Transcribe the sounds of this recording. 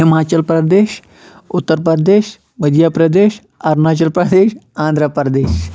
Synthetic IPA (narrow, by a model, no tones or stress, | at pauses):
ɦɪmaːt͡ʃəlpɾɐd̪eːʃ | ʊt̪ːəɾpəd̪eːʃ | mɐd̪ʱjaːpɾɐd̪eːʃ | ɐɾnaːt͡ʃɐlpɾɐd̪eːʃãːnd̪ʱɾəpɾd̪eːʃ